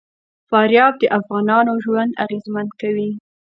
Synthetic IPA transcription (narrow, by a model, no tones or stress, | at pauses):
fɑɾjɑb̚d̪əʔafɣɑnɑnoʒwand̪a̰ɣezmand̪kawi